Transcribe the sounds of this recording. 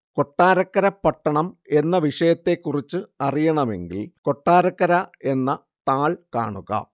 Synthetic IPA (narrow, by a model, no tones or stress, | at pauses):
ko̞ʈːaːɾɐkːɐɾɐpːɐʈːɐɳɐme̞nːɐʋiʂɐjɐt̪ːe̞kːurit͡ɕːɨɐrijɐɳɐme̞̰ŋɡilko̞ʈːaːɾɐkːɐɾɐe̞nːɐ | t̪aːɭka̰ːɳuɣɐ̰